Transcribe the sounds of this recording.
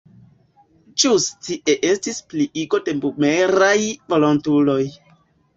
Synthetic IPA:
d͡ʒustiʔeʔe̞stispliʔiɡo̞de̞mbumeɾajvo̞lontulo̞j

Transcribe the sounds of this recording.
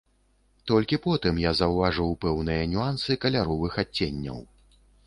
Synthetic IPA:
t̪ɔlʲkʲipɔt̪ɨmjazɐwvaʐɨwpɛwnɨjɐnʲuansɨkɐlʲaɾɔvɨxat͡sʲːenʲːɐ̰w

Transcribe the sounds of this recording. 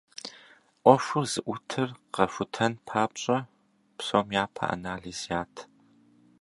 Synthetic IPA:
ʔʷɔfʷʊrz̥ɨʔʷʊtʰɨrqɐfʊtʰɐnpʰaːpɕʼɐ | psomjaːpʰɐ̰ʔa̰naːɮizjaːtʰ

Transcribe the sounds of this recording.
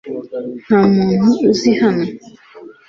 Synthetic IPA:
hanũnũzihanũ

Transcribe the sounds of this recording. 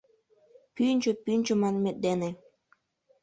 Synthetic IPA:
pynʲt͡ɕŏpynʲt͡ɕŏmɑnmĕt̪̚d̪enĕ

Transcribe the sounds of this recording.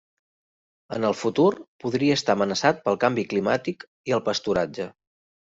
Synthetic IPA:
ənəlˠfut̪urpuðɾiəːst̪amənəsat̪̚pəlˠkambiklimat̪ik | iəlˠpəst̪uɾad͡ʒə

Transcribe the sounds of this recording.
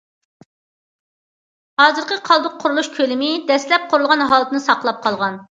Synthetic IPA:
hɑːzɨɾqʰəqʰɑlˠd̪ʊq̚ʰːʊɾulˠuʃkʲʰølɪmɪd̪ɛslɛp̚qʰʊɾulˠʁɑnɦɑːlˠɨt̪ɨnɨsɑqʰlˠɑp̚qʰɑlˠʁɑn

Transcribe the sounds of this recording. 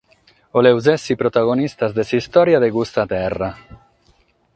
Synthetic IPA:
olewzɛsipɾot̪aɣonist̪azd̪esist̪ɔɾjaðeɡust̪at̪ɛra

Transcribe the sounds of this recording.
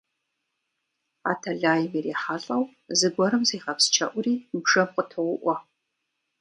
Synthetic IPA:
a̰ːtʰɐɮaːjɪmiriːħaɬʼɐw | zɨɡʷɔɾɨmzeːχɐpst͡ʃʰɐ̰ʔʷʊɾiːbʐɐmqʼətʰɨwʷʊʔʷɐ

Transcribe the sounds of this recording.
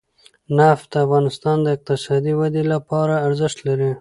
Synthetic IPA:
naft̪d̪əafɣɑnɪst̪ɑnd̪əɪq̚t̪ɪsɑd̪iwad̪elapɑɾaːɾzɪʃt̪laɾi

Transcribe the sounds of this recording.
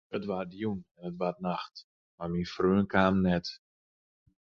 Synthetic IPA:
ətʋardjunɛnətʋatnaxt | marminfrøːənkaːmnɛt

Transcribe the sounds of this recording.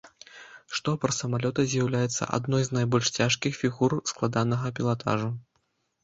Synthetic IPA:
ʂt̪ɔpɾɐsɐmalʲɔt̪ɐzʲjɐwlʲajɛt̪sːɐ̰ʔa̰d̪nɔjznajbɔlʲʂt͡sʲaʂkʲixfʲiɣursklˠad̪anɐɣɐpʲilˠat̪a̰ʐu

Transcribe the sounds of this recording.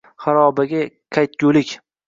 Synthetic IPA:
χaɾɒbaɡʲaqʰajt̪̚kʲʊlɪkʲ

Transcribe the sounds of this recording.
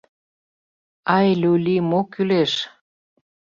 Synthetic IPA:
ɑjlʲulʲimokyleʃ

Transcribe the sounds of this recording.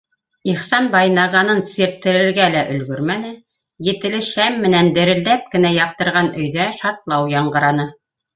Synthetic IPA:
iχsɑnbɑjnɑʁɑnɤnsiɾt̪ːɘ̆ɾɘ̆ɾɡælæʔɵ̆lɡɵɾmænɘ | jɘ̆t̪ɘ̆lɘʃæmːɘ̆nænd̪ɘ̆ɾɘ̆ld̪æp̚kɘ̆næjɑq̚t̪ɤ̆ɾʁɑnɵ̆jðæʃɑɾt̪lˠɑwjɑɴɢɤ̆ɾɑnɤ

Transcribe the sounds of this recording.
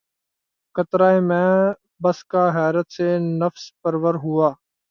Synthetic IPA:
kət̪ɾaːeːmɛ̃ː | bəskaːɦɛːɾət̪seːnəfspəɾʋəɾɦʊːaː

